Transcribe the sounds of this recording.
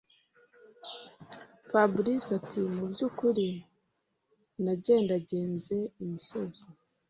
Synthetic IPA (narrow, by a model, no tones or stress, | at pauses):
fabɾisatimubɟuːkuɾi | naɟe̞ːndaɟe̞ːnze̞umusozi